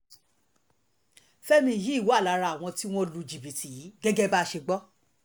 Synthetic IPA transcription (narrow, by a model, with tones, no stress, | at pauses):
fɛ˦mĩ˧˨ji˨˦˨wo˨˦a˦˨la˨˦ɾa˧˨w̃ɔ̃˧ti˦w̃ɔ̃˦lu˧d͡ʒi˨bi˨ti˨ji˨˦ɡɛ˦ɡɛ˦ba˦˧ʃe˧ɡ͡bɔ˦